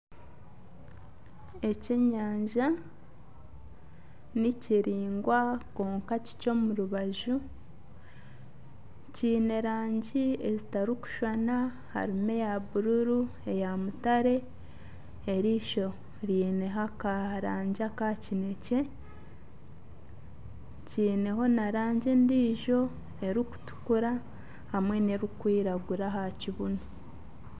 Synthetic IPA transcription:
e̞ceɲaːɲʒa | niciɾiːŋɡwako̞ːŋkaci̥co̞muɾuβaʒu | ciːne̞ɾaːɲɟie̞zitaɾiku̥ʃwana | ha̰ɾime̞jaβuɾuɾu | e̞jamutaɾe̞ | ɾiːʃo̞ | ɾiːne̞ɦakaɾaːɲɟakacine̞ce̞ | ciːne̞ɦo̞naɾaːɲɟendiːʒo̞ | e̞ɾiku̥tu̥kuɾa | hamwe̞ne̞ɾukwiːɾaɡuɾaɦaciβuno

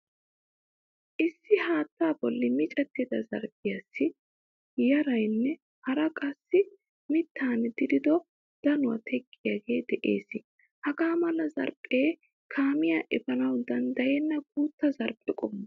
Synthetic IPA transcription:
ʔɪsːɪhaːt̪ːaːbɔlːɪmɪt͡ʃʼɛt̪ːɪd̪ɐzɐ̰ɾpʼɪjasːɪ | jɐɾɐjnːɛ | hɐɾɐkʼɐsːɪ | mɪt̪ʰːaːnd̪ɪd̪ɪd̪ɔ | d̪̥ɐnʊwɐ̰t̪ʰɛkʼːɪjaɡe̞ːd̪ɛʔe̞̰ːsɪ | hɐɡaːmɐlɐzɐ̰ɾpʼːeː | kʰaːmɪjaʔɪfɐnɐwd̪ɐnd̪ɐjɛnːɐkuːt̪ːɐzɐɾpʼɛkʼɔmːɐ

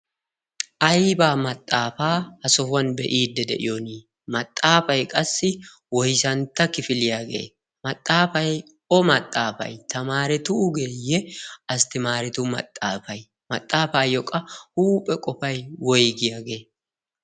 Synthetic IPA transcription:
ʔɐjbaːmɐt̪ʼːaːfaːhɐsɔhʊwɐnbɛʔiːd̪ːɛd̪ɛ̰ʔɪ̰joːniː | mɐt̪ʼːaːfɐjkʼɐsːɪ | wɔjsɐnt̪ːɐkɪfɪlɪjaːɡe̞̰ː | mɐt̪ʼːaːfɐj | ɔmɐt̪ʼːaːfɐ̰jt̪ɐmaːɾɛt̪ʊːɡejːɛɐst̪ɪmaːɾɛt̪ʊmɐ̰t̪ʼːaːfɐj | mɐ̰t̪ʼːaːfaːjɔkʼɐhuːpʼːɛkʼɔfɐjwɔjɡɪjaːɡe̞ː

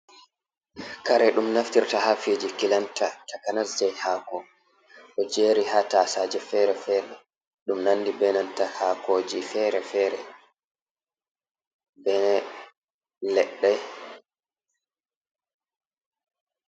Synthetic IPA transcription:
kaɾɛɗumnaftiɾtahafid͡ʒikilantatakanasd͡ʒɛjhaːkɔ | ʔɔd͡ʒeːɾihataːsaːd͡ʒɛfɛːɾɛfɛːɾɛ | ɗumnanːdibɛnantahaːkoːd͡ʒifɛɾɛfɛːɾɛ | bɛn | lɛɗːɛ

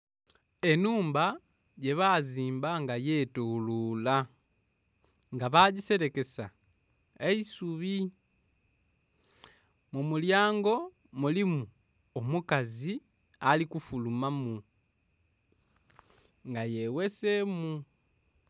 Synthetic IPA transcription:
e̞nuːmba | ɟe̞βaziːmbaŋɡaje̞tulula | ŋɡaβaɟise̞ɾe̞ke̞sa | eisuβi | mumuljaːŋɡo̞ | mulimu | omukazi | alikufulumamu | ŋɡaje̞wese̞mu

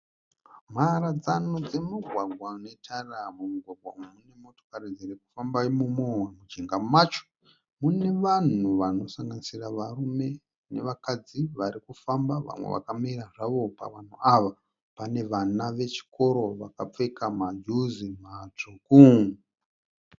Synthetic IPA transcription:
m̤aɾad͡zanod͡ze̞muɡʱwaɡʱwane̞taramumuɡʱwaɡwa̰memune̞mo̞to̥kaɾid͡zeɾeku̥fambamumowamud͡ʒeŋɡamat͡ʃo̥ | mune̞ʋan̤uʋano̞saŋɡanisiraʋarume̞ | ne̞̰ʋakad͡ziʋaɾikufambaʋa̰mwḛʋa̰kamiɾaʐaʋo̞pa̰ʋan̤uaʋa | pane̞ʋanaʋe̞t͡ʃi̥ko̞ɾo̞ʋakap͡fekamad͡ʒuzimat͡ʂukuŋ

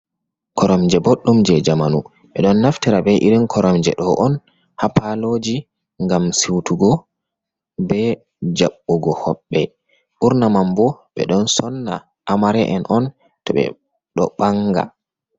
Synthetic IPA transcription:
kʰɔɾɔmd͡ʒɛboɗːumd͡ʒɛd͡ʒamanu | ɓɛɗɔnːaftiɾabɛʔiɾinkʰɔɾɔmd͡ʒɛɗɔʔɔn | hapalod͡ʒi | ŋɡamsiwtuɡɔ | bɛ | d͡ʒaɓːɔɡɔhɔɓːɛ | ɓuɾnamambɔɓɛ̰ɗɔnsɔnːa̰ | ʔamaɾɛʔɛnʔɔn | tɔɓɛ̰ | ɗɔ̰ɓaŋɡa̰

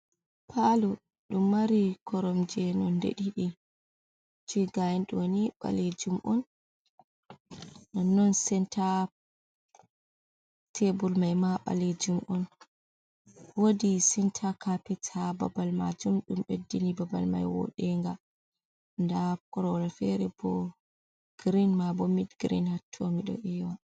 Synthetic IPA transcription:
pʰalu | ɗumːaɾikʰɔɾɔmd͡ʒɛnɔndḛɗiɗi | d͡ʒiɡajɛnɗoniɓa̰led͡ʒumʔɔn | anːɔnsɛntʰa | tʰebulmajmaɓa̰led͡ʒumʔɔn | wodisɛntʰakʰapɛtʰaba̰balma̰d͡ʒumɗumɓedːinibabalma̰jwɔ̰ɗɛŋɡa | ndakɔɾɔɾafɛɾɛbɔ̰ | ɡ̥ɾinmabomidɡɾinhatʰːomiɗɔ̰ʔijwa

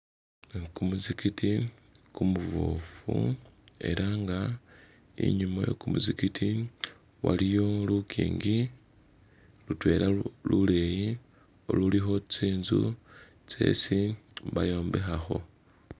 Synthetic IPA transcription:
kumuzikiti | kumuvo̰fue̞̰ɾʔaŋɡa | ḭɲumojo̰kumuzikiti | wa̰lijo̞lukʰḭːŋɡi | lutwe̞ːlalule̞ji | o̞̰lulixo̞t͡siːnzṵ | t͡se̞̰siβajo̞ːmbe̞xaxo̞̰

